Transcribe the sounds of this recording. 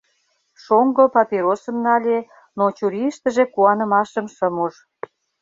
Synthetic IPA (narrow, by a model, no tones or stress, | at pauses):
ʃoŋɡopɑpiɾosə̆mnɑlʲe | not͡ɕuɾʲiʃt̪əʒekuɑnə̆mɑʃəmʃəmuʒ